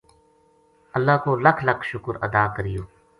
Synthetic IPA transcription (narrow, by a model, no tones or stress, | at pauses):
əlːaːkoːləkʰləkʰʃʊkəɾə̰d̪aːkəɾɪjoː